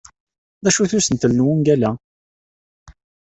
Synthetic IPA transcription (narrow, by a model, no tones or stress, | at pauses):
ðæʃuθusənt̪əlnwunɡælæ